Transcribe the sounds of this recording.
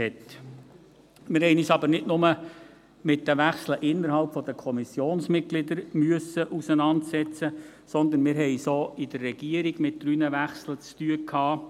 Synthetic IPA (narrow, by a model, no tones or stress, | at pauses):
ɛt | mɪɾɦɛɪniːsɑbəɾnɪdnʊmə | mɪt̚d̥əʋæχsləʔɪnːəɾɦɑlpfɔd̥̪əkʰɔmisjoːnsmɪt̚ɡ̥lɪd̪əɾmyəsəʔusənɑntsɛt͡sə | sɔnd̪ənmɪɾɦɛɪsoːid̥̪ərːɛɡ̥iəɾiɡ̥mɪt̚d̥ɾyːnəʋæχslət͡st̪yəkʰhɑː